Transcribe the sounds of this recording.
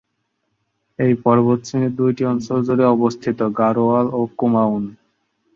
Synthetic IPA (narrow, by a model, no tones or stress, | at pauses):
ejpɔɾbot̪ɕineɾd̪ujʈiɔnʃold͡ʑoɾeɔbost̪ʰit̪oɡaɾoalokumaun